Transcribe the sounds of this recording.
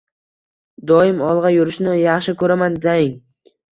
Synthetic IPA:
d̪ɒɪmɒlˠʁɑjʊɾɪʃnɪjɑχʃɪkʰɵɾamand̪aɪŋ

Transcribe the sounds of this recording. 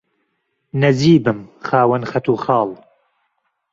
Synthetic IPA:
nɐziːbɨmxaːwɐnxɐt̪ʰuːxɑːlˠ

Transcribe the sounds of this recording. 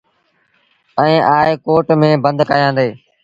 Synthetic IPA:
ɛ̃ĩːʔaːeːkoːʈmẽːbə̃nd̪kaːjãːnd̪eː

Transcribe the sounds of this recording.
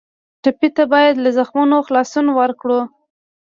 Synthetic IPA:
ʈapit̪abɑjad̪lazaxmunoxlɑsunwaɾkɽu

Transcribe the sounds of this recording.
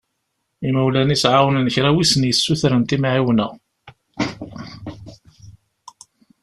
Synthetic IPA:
imæwlænisʕawnənəçɾæwisənjəsːuθɾənt̪imʕiwnə

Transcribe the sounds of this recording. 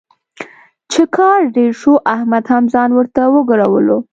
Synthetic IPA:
t͡ʃekʰɑɾɖeɾʃoʔahmad̪hamzɑnwəɾt̪awəɡaɾawəlo

